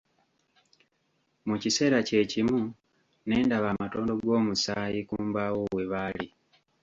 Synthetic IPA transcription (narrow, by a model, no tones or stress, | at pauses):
mucise̞ːɾace̞cimu | ne̞ːndaβaːmato̞ːndo̞ɡwo̞ːmusaːjikuːmbawoweβali